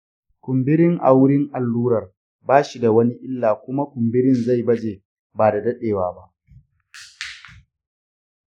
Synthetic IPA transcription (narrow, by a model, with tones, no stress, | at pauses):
kʷʊ˨mbɪ˦ɾɪ˦ŋʔa̰˨wʊ˦ɽɪ˦ŋʔa˨lːuː˦ɾɐ˨r | baː˦ʃi˨da˨wɐ˦ni˦ʔɪ˦lːaː˨kʷʊ˦ma˦kʷʊ˨mbɪ˦ɾɪ˦nza˦˨jbɐ˦d͡ʒeː˨ | baː˨da˨dɐ˦ɗeː˨waː˨ba˦ʔ